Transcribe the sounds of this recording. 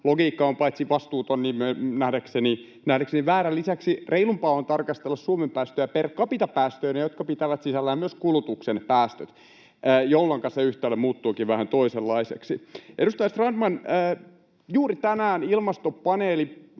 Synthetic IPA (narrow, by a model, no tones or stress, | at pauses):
loɡiːkːɑompɑit̪siʋɑst̪uːt̪onːimønæhdækseni | næhdækseniʋæːɾælːisæksirʔeilumpɑont̪ɑrkɑst̪elːɑssuomempæːst̪øjæperkːɑpit̪ɑpæːst̪øːnejot̪kɑpit̪æʋæt̪sisælːæjɑmyøskulut̪uksenpæːst̪øt̪ː | jolːɑŋkɑseyht̪eːlːemuːt̪ːuːkiʋʋæhænt̪oiselːɑisḛksiʔedust̪ɑjɑst̪rɑndmɑnəː | juːɾit̪ænæːnilmɑst̪opɑneːli